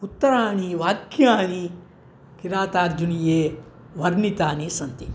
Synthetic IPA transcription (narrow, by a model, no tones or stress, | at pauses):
ut̪ːɐɾaːɳiʋaːkjaːni | kiɾaːt̪aːɾd͡ʒunijeː | ʋɐɾnit̪aːnisɐnt̪i